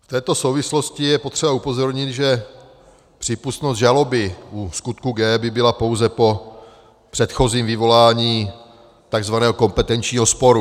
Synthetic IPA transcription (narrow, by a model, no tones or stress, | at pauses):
ft̪ɛːt̪o̞so̞wvɪslo̞scɪjɛpot̪r̥ɛbaupo̞zo̞ɾɲɪt̪ʒɛ | pr̝̥iːpust̪nost̪ʒalo̞bɪʔuskut̪̚kuɡɛːbɪbɪlapo̞wzɛpo̞ | pr̥ɛt̪xo̞ziːmvɪvo̞laːɲiː | t̪aɡzvanɛːɦoko̞mpɛt̪ɛnt͡ʃɲiːɦo̞spo̞ɾu